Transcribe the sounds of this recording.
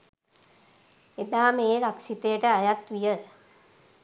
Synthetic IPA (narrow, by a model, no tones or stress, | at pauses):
ed̪aːmeːɾaksit̪ejəʈəajat̪ʋijə